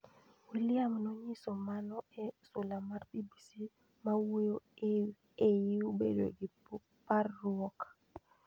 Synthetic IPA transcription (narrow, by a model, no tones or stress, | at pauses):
wiljamnɔɲisomanɔɛsʊlamarpibisi | mawejo | ejiubḛdo̰ɡɪ | parːwɔkḁ